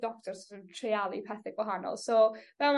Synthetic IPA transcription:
d̥ɔk̚tʰɔrsntʰrealˠipʰɛθɪɡ̚wɔɦanɔ̰lˠsowvɛlm

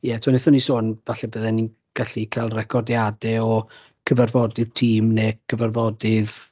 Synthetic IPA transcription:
jɛtʰwanɪθɔnisoːnv̥aɬɛbəðɛni | ɡ̥aɬikʰaːlˠrɛkʰɔdjadɛɔ | kʰəvarvɔdɪð̥tʰiːmnekʰəvarvɔdɪð

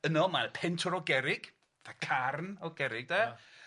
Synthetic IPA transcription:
ənɔmapʰɛntʰɔɾɔɡɛɾɪɡ̥ | θakʰarnɔɡɛɾɪɡ̚dɛ

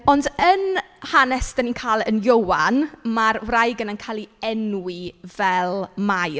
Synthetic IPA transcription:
ɔndən | hanɛsd̥aniːnkʰaːlˠənjowanmarwrajɡənankʰaːlˠiɛnwivɛlˠmaj

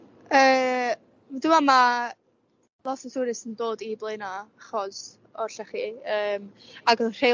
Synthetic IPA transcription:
əː | mdʊmama | lˠɔtʰɔsuɾɪsəndoːdiblˠenaχɔz | ɔrɬaχiːəːmaɡɔr̥e

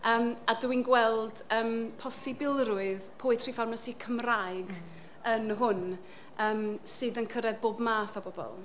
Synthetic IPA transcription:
əːmadəwinɡwɛlˠd̥əːmpʰɔsɪbɪlˠrʊɨðpʰoɨtʰrifarmasikʰəmraɨɡ | ənɦʊn | əːmsɨːðənkʰəɾɛðboːbmaːθɔbɔbɔ̰lˠ

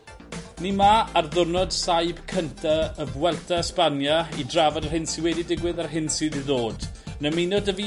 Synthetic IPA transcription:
nimaːrðʊrnɔd̥sajb̥kʰəntʰaəvwɛlˠtʰaspanjaidravɔdar̥hɪnsiwɛdidɪɡwɪðarɦɪnsɨːðiðoːd̥nəminodəvi

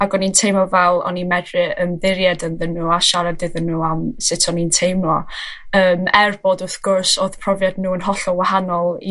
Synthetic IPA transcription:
aɡɔnintʰejmɔvɛlˠɔ̰nimɛdrɨəmðɪɾjɛdənðənːuːaʃaɾadɪðənːuːamsɪtʰɔnintʰejmɔ | əːmɛrbodʊθɡ̥ʊrsoːðpʰrɔvjadnuːənɦɔɬɔwahanɔlˠi

